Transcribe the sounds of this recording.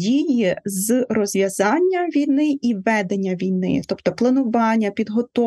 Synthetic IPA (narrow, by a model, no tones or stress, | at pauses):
dʲijizrɔzʲʋʲjɐzɑnʲːɐʋʲijnɪʔiʋɛd̪enʲːɐʋʲijnɪ̰t̪ɔpt̪ɔplˠɐnʊʋɑnʲːɐpʲid̪ɦɔt̪ɔ